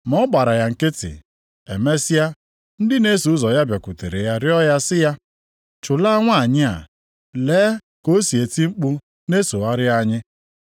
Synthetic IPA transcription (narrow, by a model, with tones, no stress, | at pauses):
m˨˦ɔ˦ɡ͡ba˨ɾa˨ja˨ŋ̩˨kɪ˦tɪ̰˨ | e˨me˦sja˦ | n̩˦dɪ˦ne˦su˨˦zɔ˨ja˦bja˨ku˨te˨ɾe˨ja˦ɾɪ˦ɔ˦ja˦sɪ˦ja˦ | t͡ʃʊ˨la˦ŋʷa˦a˨ɲɪ˦a̰˨ | leː˨˦ | ko˦si˨e˨ti˦ŋ͡m̩˦k͡pu˦ | ne˦so˨a˦ɾɪ˦a˦ɲɪ˦